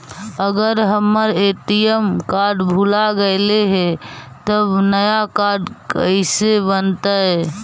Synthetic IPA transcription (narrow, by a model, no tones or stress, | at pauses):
əɡəɾɦəmːəɾeːʈijəmkaɾɖbʱulaɡəɪleɦɛ | t̪əbnəjakaɾɖkəɪsebənt̪aɦɛ